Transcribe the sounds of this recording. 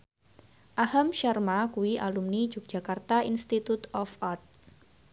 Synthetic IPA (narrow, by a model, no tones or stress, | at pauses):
ʔahamʃarmakuiʔalumni̥d͡ʒuk̚ʒ̥a̤kart̪ainst̪it̪ut̪ɔfart̪̚